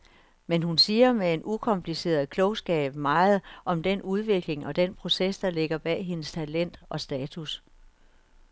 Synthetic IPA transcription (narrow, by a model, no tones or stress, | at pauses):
menɦunsiːɐmee̝nʔukʰɒ̽mpʰlise̝̰ːɐð̩ˠkʰlɔʊsɡ̥ɛ̰ːb̥mɑ̈ːð̞̩ˠʔɒ̽md̥enuð̞ˠʋe̝ɡ̥le̝ŋɒ̽d̥enpʰʁo̝sesd̥ɑ̈le̝ɡ̥ɐb̥ɛ̰ːɦe̝nəst͡sʰælen̰d̥ɒ̽sd̥ɛːt͡sʰus